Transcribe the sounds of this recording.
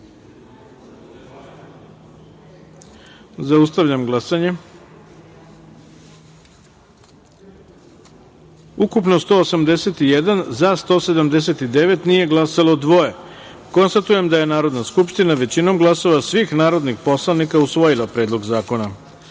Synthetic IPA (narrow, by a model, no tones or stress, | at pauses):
zaust̪aʋʎamɡlˠasaɲe̞ | ukupnost̪o̞ːsamd̪e̞se̞t̪ijed̪anzast̪o̞ːse̞d̪amd̪e̞s̬e̞t̪id̪e̞ʋe̞t̪nije̞ɡlˠasalod̪ʋo̞eko̞nst̪at̪uje̞md̪aje̞naːɾo̞d̪naskupʃt̪inaʋe̞t͡ɕino̞mɡlˠaso̞ʋasʋixnaːɾo̞d̪nixpo̞slˠanikausʋo̞jilˠapɾe̞ːd̪lˠo̞ɡzaːko̞na